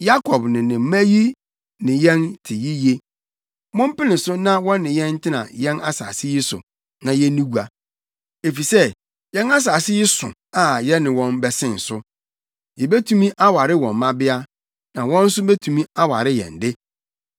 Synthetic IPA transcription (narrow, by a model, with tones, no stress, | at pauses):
ja˦kʰɔ˨bnɪ̃˨nɪ̃˨m̩˦mæ˦ji˦ | nɪ̃˨jɛ̃˦ntʰɪ˨ji˦je˦ | mɔ̃˦m˦pɪ˦nɪ̃˨sʊ˦nã˦wɔ̃˦nː˦ɪ̃˨jɛ̃˦n̩˦tʰɪ˦nã̰˨jɛ̃˦na˦sa̰ː˨sɪ˦jɪ˦sʊ̰˨ | nã˨jɛ˦nĩ˦ɡu˨a˨ | e˨fi˨sɛ˦ | jɛ̃˦na˦s̬aː˨sɪ˦jɪ˦sʊ̰̃˨ | a˨jɛ˦nɪ̃˨wɔ̃˦nbɛ˨sɪ̃˦˨n̩˨sʊ˦ | jɛ˨be˦tʰũ˦mĩ˦ʔa˦wa˨ɾɪ˦wɔ̃˨m˨mːã˦bɪ˦a˦ | nã˨wɔ̃˦n̩˦sʊ˦be˦tʰũ˨mĩ˦a˦wa̰˨ɾɪ˦jɛ̰̃˨ndɪ˦